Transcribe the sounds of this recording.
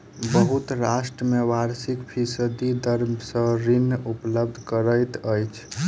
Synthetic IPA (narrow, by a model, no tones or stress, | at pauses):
bəɦut̪ɾasʈɾəmeʋaɾsikpʰisəd̪id̪əɾmsə̃ɾinːupləb̚d̪ʱkəɾəjt̪əjt͡ʃʰ